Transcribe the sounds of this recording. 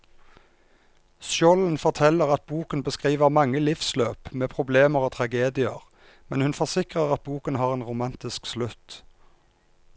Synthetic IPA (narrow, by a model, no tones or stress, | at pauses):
sɔln̩fɔʁt̪ʰɛləʁɑt̪̚buːkənbəskʁiːʋəʁmɑŋːəlɪfsløːpmeːpʰʁʊbleːməʁoːt̪ʰʁɑɡeːd̪ɪəʁ | mɛnhʉnfɔʁsɪkʁəʁɑt̪̚buːkənhɑːʁeːnʁʊmɑnt̪ɪskslʉt̪